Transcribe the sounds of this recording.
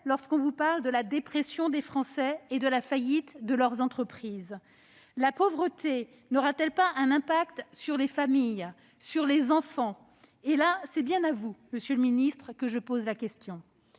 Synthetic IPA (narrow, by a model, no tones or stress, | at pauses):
lɔʁskɔ̃vupaʁld̪əlad̪epχesjɔ̃d̪efχɑ̃sɛed̪əlafajit̪d̪əlœʁzɑ̃t̪χəpχiz | lapovʁət̪e | nɔʁat̪ɛlpaɛ̃nɛ̃pak̚t̪syʁlefamij | syʁlezɑ̃fɑ̃ | elasɛbjɛ̃navuməsjələminist̪χəkəʒəpozlakʲɛst̪jɔ̃